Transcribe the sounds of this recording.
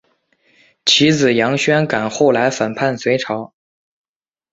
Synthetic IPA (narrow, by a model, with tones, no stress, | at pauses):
t͡ɕʰi˧˥d͡zɹ̩˨˩jɑ˧˥ŋɕɥɛ˥nka˨˩nxo˥˩ʊla˧˥ɪfə˨˩npʰa˥˩nswe˧˥ɪʈ͡ʂʰɑ˧˥ʊ